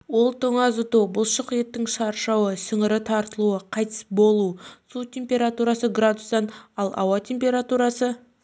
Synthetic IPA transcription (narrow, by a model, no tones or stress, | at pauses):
wo̞lˠt̪ʰəɴɑzʊt̪ubʊlˠʃəqje̞t̪ːɪŋʃɑɾʃɑwəsəŋəɾɪt̪ʰɑɾt̪əlˠuəqʰɑjt̪ə̥sbo̞lˠusut̪ʲʰe̞mpʲe̞ɾat̪uɾɑsəɡrad̪usd̪ɑnɑlˠɑ̰wɑtʲʰe̞mpʲe̞ɾat̪uɾɑsə